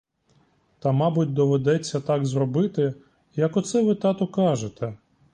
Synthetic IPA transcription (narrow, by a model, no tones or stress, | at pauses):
t̪ɐmɑbʊt̚ʲd̪ɔʋed̪ɛt͡sʲːɐt̪ɑɡzrɔbɪt̪ɪ | jɐkɔt̪sɛʋɪt̪ɑt̪ɔkɑʒet̪ɛ